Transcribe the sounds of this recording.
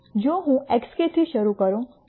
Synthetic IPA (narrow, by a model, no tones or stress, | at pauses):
d͡ʒõɦũɛksket̪ʰiʃəɾukəɾõ